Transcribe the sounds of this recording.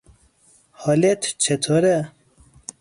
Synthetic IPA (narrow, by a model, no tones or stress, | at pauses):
hɔlet̪ʰt͡ɕʰet̪ʰoɾe